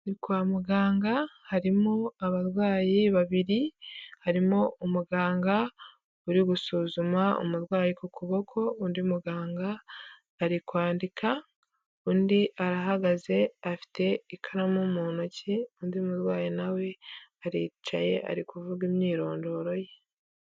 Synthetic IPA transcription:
nikwaːmuɡaːŋɡahaɾimoaβaɾwaːjiβaβiɾihaɾimoumuɡaːŋɡa | uɾiɡusuːzumao̰muɾɡwaːjikukʰuβo̞kʰo̞uːndiumuɡaːŋɡaː | ɾikwaːndikʰa | uːndiʔaɾaɦaɡaze̞afi̥tʰe̞ikʰaɾamomoːnociuːndiumuɾɡwaːjinawe̞aɾiːt͡ʃa̰je̞ʔa̰ɾikuvuɡimɲiːɾo̞ːndo̞ːɾo̞je

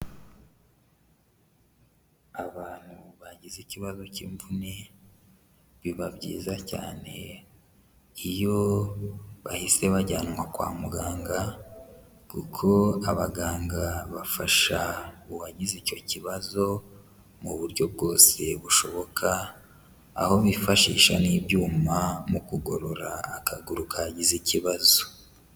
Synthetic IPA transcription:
aβaːn̥huβaɟiziciβazo̞ciɱvune | βiβabɟḭːzaca̰ːne̞ | ijo̞ | βa̰hise̞βaɟa̰ːnŋwakwa̰ːmuɡaːŋɡa | kukʰo̞aβaɡaːŋɡaβafaʃauβaɟizico̞ciβazo̞ | muβuɾɟo̞b̚ɡo̞ːse̞βuʃo̞βo̞kʰa̰ː | ho̞βifaʃḭːʃa̰niːbɟuːmamukuɡo̞ɾo̞ɾaːkʰaɡuɾukʰaɟiziciβazo

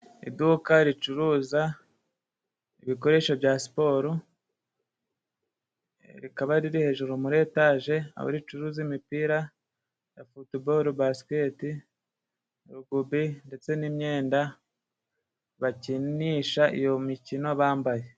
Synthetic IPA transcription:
ḭdukaɾit͡ʃuɾuːza | iβiko̞ɾe̞ːʃobjasi̥po̞ːɾu | ɾikaβaɾiɾihe̞ːʒuɾumuɾe̞ːtaʒe̞a̰βo̰ɾit͡ʃuɾuːzimipiːɾa | jafutiboɾubaske̞ti | ɾuɡubinde̞t͡se̞nimɲe̞ːnda | βaciniːʃaʔḭjo̞micino̞βaːmbaje̞

